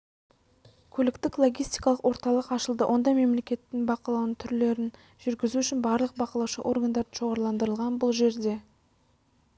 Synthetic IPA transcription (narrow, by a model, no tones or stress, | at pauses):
kʲʰɵlɪkt̪ɪklˠo̞ɡʲijst̪ijkɑlˠəqwo̞ɾt̪ɑlˠəqɑʃəlˠd̪əwʔo̞nd̪ɑme̞mle̞kʲe̞t̪ːɪŋbɑqɑlˠɑwnəŋt̪ʰʏɾle̞ɾɪn | ʒʏɾɡʲɪzuʏʃɪnbɑɾlˠəq̚bɑqɑlˠɑwʃə̰ʔo̞̰rɡand̪ɑɾd̪əʒ̥o̞ʁɑɾlˠɑnd̪əɾəlˠʁɑnbʊlˠʒe̞ɾd̪e̞